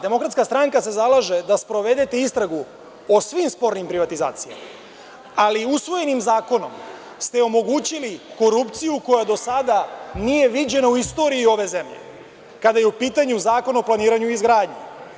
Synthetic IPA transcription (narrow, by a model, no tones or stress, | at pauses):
d̪e̞mo̞kɾat̪skast̪ɾaŋkase̞zalaʒe̞d̪aspɾo̞ʋe̞d̪e̞t̪e̞ist̪ɾaɡu | osʋiːmspo̞ɾnimpɾiʋat̪iza̰ːt̪sija̰ma | aliusʋo̞je̞nimzaːko̞no̞̰m | st̪e̞o̞mo̞ɡuːt͡ɕiliko̞ɾupt̪sijuko̞jad̪o̞sad̪anije̞ʋid͡ʑe̞nauist̪o̞ɾiio̞ʋe̞ze̞mʎḛ | kad̪ajeupiːt̪aɲuzaːko̞naoplˠaniːɾaɲuizɡɾaːd̪ɲḛ